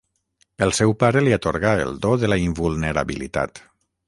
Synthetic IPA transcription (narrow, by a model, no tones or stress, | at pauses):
əlˠsɛwpaɾeliat̪oɾɣaḛlˠd̪oðəlaimbulˠnəɾa̰βḭlḭt̪a̰t̪